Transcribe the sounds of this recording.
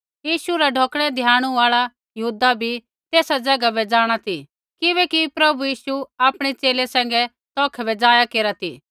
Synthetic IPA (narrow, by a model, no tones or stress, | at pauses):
jiːʃuɾaɖʱoːkɽ̃ɛd̪ʱjãːɽ̃ũaːɭa | jɐɦuːd̪abʱi | t̪eːsad͡zɐɡabɛd͡zaːɽ̃at̪ʰi | kɪβɛkipɾɐbujiːsuaːpɽ̃et͡ʃeːlesɛ̃ːŋ̆ɡɛ | t̪ɔːkʰbɛd͡zaːjakeːɾat̪ʰḭː